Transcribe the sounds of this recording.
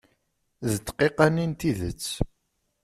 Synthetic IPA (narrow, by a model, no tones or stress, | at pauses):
ðət̪ːqːiqanint̪iðə̰t͡sː